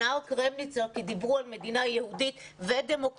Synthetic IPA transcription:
aokʁemnit͡sokid̪ibʁualme̞d̪inajehud̪it̪ved̪e̞mo̞k

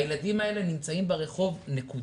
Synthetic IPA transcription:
jeladimae̞le̞nimt͡saimbeʁe̞χo̞vneku

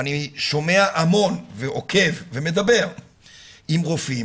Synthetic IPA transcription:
aniʃo̞me̞aʔamo̞nveʔo̞kʰe̞vːe̞me̞d̪abe̞ʁ | imʁofi

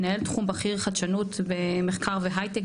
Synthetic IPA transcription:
nae̞ltχumbaχiʁχadʃanutbemeχkaʁveɦajt̪ek

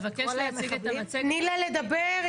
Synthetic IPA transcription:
vakeʃleasiɡet̪aat͡senilaled̪abeʁ

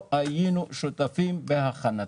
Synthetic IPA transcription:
ʔajinuʃot̪afimbehaχana

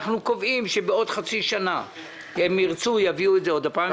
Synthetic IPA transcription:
χnuko̞vimʃebeo̞dχat͡siʃana | emːiʁt͡sujaviuedzeo̞d̪apaː

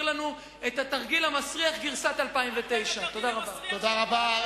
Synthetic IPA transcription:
lanu | et̪at̪aʁɡilamasʁiaχɡiʁsat̪alpaimvet̪e̞jʃat̪o̞d̪aʁabat̪od̪aʁaba

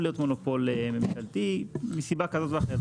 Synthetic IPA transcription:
lijo̞t̪mo̞nopo̞lememʃalt̪imisibakazot̪vaχe

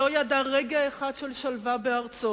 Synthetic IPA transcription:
ojadaʁeɡaeχadʃelʃalvabeaʁt͡so

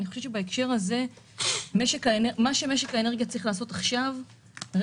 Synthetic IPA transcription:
niχo̞ʃe̞vt͡ʃebaekʃe̞ʁaze̞ | me̞ʃe̞kaenemaʃe̞me̞ʃe̞kaeneɡijat͡sʁiχlaːso̞t̪aχʃav | ʁ

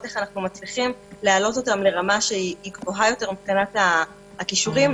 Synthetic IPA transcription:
teχanaχnumat͡sliχimlealo̞to̞tamle̞ʁamaʃeiiɡvoɦajo̞te̞ʁmipkanat̪aː | kiʃuʁim

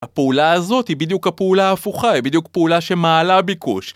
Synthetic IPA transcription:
apeulaazo̞thibid̪jukhapeulaːfuχaibid̪jukpeulaʃemaːlabikṵʃ

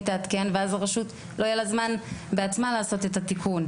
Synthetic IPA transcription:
t̪aat̪kenveazaʁaʃut̪ | lo̞jelazmanbe̞at͡smalaːso̞t̪e̞t̪at̪ikʰun

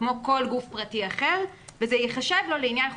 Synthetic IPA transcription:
mo̞ko̞lɡufpʁatiaχeʁvezejeχaʃevlo̞leinjan

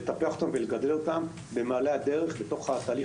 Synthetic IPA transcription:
et̪apeaχot̪amveleɡad̪e̞lo̞t̪am | be̞maːlead̪e̞ʁe̞χbe̞t̪o̞χhat̪aːli

